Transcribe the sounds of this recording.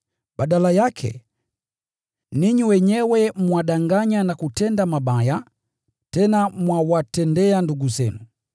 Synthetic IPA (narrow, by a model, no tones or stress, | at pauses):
ɓaɗalajakʰɛ̰ | niɲiwɛɲɛwɛmwaɗaŋɡaɲanakutɛndamaɓaja | tɛnamwawatɛndɛanduɡuzɛnu